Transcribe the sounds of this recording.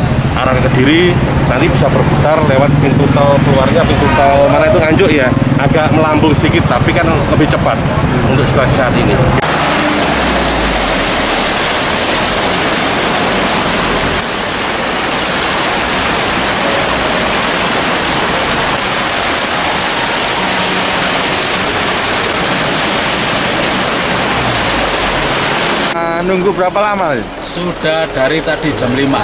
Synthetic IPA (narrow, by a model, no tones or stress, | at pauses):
ʔaɾaŋkəd̥iɾi | nant̪ibisabərbəsarlewat̪̚pint̪ut̪alkəluarɲapint̪ut̪awmanait̪uŋaɲd͡ʒʊʔjaʔaɡaʔməlambʊŋsikɪt̪ːapikan | ləbɪht͡ʃəpat̪̚ | unt̪ʊksə̥t̪aksat̪ini | nuŋɡubəɾapalamali | suɖ̥a̤hɖ̥a̤ɾit̪ad̥i̤̥d͡ʒa̤mlima